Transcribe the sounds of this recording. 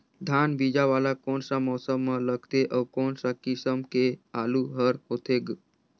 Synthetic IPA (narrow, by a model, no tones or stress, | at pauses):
d̪ʱanbid͡ʒaʋalakoːnsamɔsəmːələɡt̪eʔɔːkɔːnsakisəmkealuɦəɾɦot̪eɡ